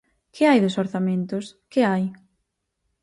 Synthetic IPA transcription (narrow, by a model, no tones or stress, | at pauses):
kʰɪajðesoɾθamẽnt̪ʊskɪaj